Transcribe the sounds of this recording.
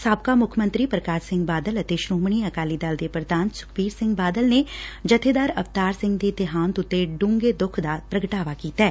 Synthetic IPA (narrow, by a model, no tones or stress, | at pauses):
saːb̚kaːmʊkʰmə̃nt̪ɾiːpɾəkaːɾsɪ̃ŋɡbaːd̪ələt̪eʃɾoːmɳ̃iːəkaːliːd̪ald̪eːpɾəd̪aːnsʊ̥kʰʋiːɾsɪ̃ŋɡbaːd̪əlned͡ʒət̪ʰeːd̪aːɾəpt̪aːɾsɪ̃ŋɡd̪eːt̪ɪɦaːnt̪ʊt̪ːeɖʊ̃ŋɡeːd̪ʊkʰd̪aːpɾəɡəʈaːʋaːkiːt̪aɛː